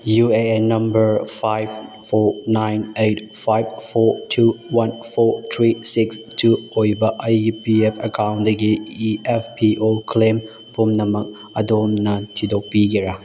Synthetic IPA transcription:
juenɐ̃mbəɹfajv | fɔnãjnetfajvfɔtʰuwãnfɔt̪ʰɹisiks | tʰuojibaʔajupiɛfəkʰãwndeɡeiɛfpiʔokʰlẽm | pumnamak̚ | adomnantʰidopiɡeɹa

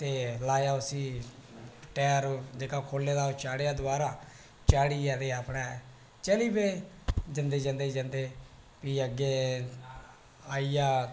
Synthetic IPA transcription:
t̪eːlaːjaːʊsiː | ʈɛːɾd͡ʒeːkaːkʰoːlːeːd̪aːt͡ʃaːɽejaːd̪ʊaːɾaː | t͡ʃaːɽiːɛd̪eːaːpɽɛː | t͡ʃəliːbeː | d͡ʒənd̪eːd͡ʒə̃nd̪eːd͡ʒə̃nd̪eː | piːəɡːeː | aːijaː

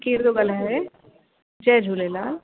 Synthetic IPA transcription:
kiːɾd̪oɡɐlɦɛ | d͡ʒɛːd͡ʒʱuːlelaː

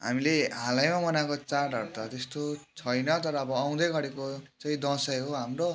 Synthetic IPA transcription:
ɦa̰mileɦalajmamʌnakot͡saɖʱʌrt̪ʌt̪est̪ot͡sʰʌjnʌt̪ʌɾʌːbʌːw̃d̪ʌjɡʌɽekot͡saĩd̪ʌ̃sʌjɦoɦamro

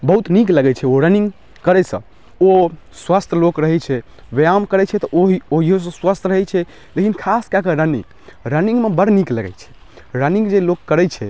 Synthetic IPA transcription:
bəɦut̪nikləɡɛt͡ʃʰɛoɾəniŋɡ | kəɾɛsə̰̃ | o | swast̪ʰlokɾəɦɛt͡ʃʰɛ | ʋejamkəɾɛt͡ʃʰɛt̪ɔʔoɦioɦiɦos̬ə̃swəst̪ʰɾəɦɛt͡ʃʰɛ | lekinkʰaskakəɾənḭŋ | ɾəniŋɡmebəɽnikləɡɛ̰t͡ʃʰɛ̥ | ɾəniŋɡd͡ʒelokːəɾɛt͡ʃʰɛ

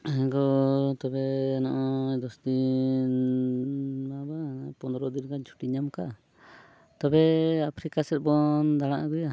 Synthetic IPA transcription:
ɛɡɔt̪ɔbɛːnɔʔɔd̪ɔsd̪in | mabapɔnd̪ɔɾɔd̪inkaɲt͡ʃʰu̥ʈiɲamka | t̪ɔbɛapʰɾikasɛt̪̚ˀbɔnd̪aɽ̃aʔaɡuja

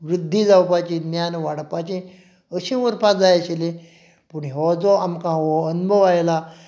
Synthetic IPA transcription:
ʋɾid̪ʱːid͡zawpat͡ɕĩnjanʋaɽpat͡ɕĩ | əɕĩʋəɾpad͡zajaɕile | puɳɦɔd͡zɔamkãɦɔənbʱəwajla

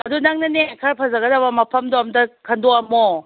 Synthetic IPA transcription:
ɐdunaŋnɯnekʰaɾpʰazaɡɐdabɐmapʰɐmdɔamdɐkʰandɔamɔ

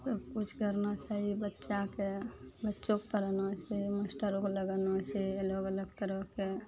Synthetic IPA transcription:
səbkut͡ʃʰkəɾnat͡ʃaɦibətːʃakebətːt͡ʃokt̪əɾənat͡ʃʰiməsʈəɾokləɡənat͡ʃʰiəloɡələɡ̚t̪əɾəke

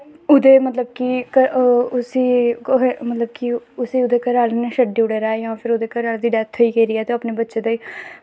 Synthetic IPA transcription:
ʊd̪eːmət̪ləb̚kikəʊsiːɦmət̪ləb̚kiʊsiːʊd̪eːkəɾaːlneʃəɖiːʊɽeːɾaːjãːpʰɪɾod̪eːkəɾaːld̪iːɖɛːt̪ʰɦoːiːkeːɾiːɛːt̪eːaːpneːbətːʃeːd̪aːiː

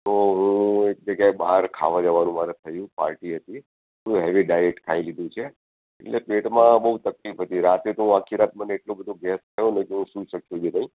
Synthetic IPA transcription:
t̪oɦũek̚d͡ʒəɡjaebaɾkʰa̰ʋad͡ʒəʋanũmaɾet̪ʰəjũpa̰ɾʈiɦət̪i | uuɦɛʋiɖajɛk̚ʈkʰailid̪ʱũt͡ʃʰe | ḛʈlepeʈmãbəɦut̪əklifɦət̪iɾat̪et̪oɦũakʰːiɾat̪məneːʈlobəd̪ʱoɡɛst̪ʰəjonekeɦũʃũʃəkjud͡ʒenəĩ

